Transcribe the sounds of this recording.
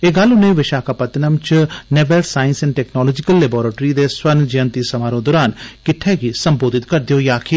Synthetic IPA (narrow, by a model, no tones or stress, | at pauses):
eːɡalʊnẽʋɪʃaːkaːpɐt̪nəmt͡ʃneːbelsaːɪ̃nsɛnʈɛːknɔːlɔːd͡ʒɪkəlːeːbɔːɾeːʈɾid̪eswɐnd͡ʒijə̃nt̪isɐmaːɾõd̪oːɾaːnkɪʈʰːɛːɡisɐmboːd̪ɪt̪kɐɾd̪ɪjoːjaːkʰi